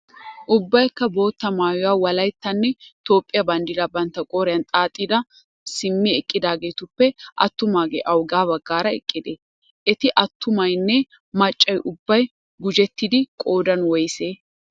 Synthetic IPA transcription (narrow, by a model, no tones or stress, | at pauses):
ʔʊbːɐjkːɐbo̞ːt̪ːɐmaːjʊwaːwɐlɐjt̪ːɐnːɛt̪o̞ːpʼːɪjɐbɐnd̪ɪd̪ɐbɐnt̪ːɐkʼoːɾɪjɐnt̪ʼaːt̪ʼːiːd̪ɐ | sɪmːɪɛkʼːɪd̪aːɡe̞ːt̪ʊpːɛʔɐ̰t̪ːʊmaːɡḛːʔɐwɡaːbɐɡːaːɾɐɛ̰kʼːɪd̪eː | ʔɛt̪ɪʔɐt̪ʰːʊmɐjnːɛ | mɐt͡ʃʼːɐjʔʊbːɐj | ɡʊd͡ʒɛt̪ːɪd̪ɪkʼo̞ːd̪ɐnwɔjseː